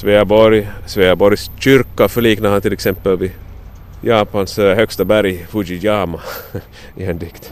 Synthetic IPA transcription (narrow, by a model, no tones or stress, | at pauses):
sveːabɔɾjsveːəbɔɾjsɕʏɾkafœɭiːknaɾhant̪ʰɪlɛksɛmpːəlvɪ | jɑːpanshœkst̪abæɾjfʊd͡ʒɪjaːma | ɪɛnd̪ɪkt̪